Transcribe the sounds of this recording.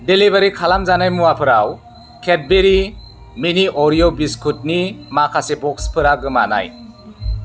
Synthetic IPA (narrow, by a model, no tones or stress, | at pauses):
delibaɾikʰalamzanajmuwapʰɯɾaw | kʰet̚beɾi | miniʔɔɾijobiskʰut̚nimakʰasebɔkspʰɯɾaɡɯmana̰j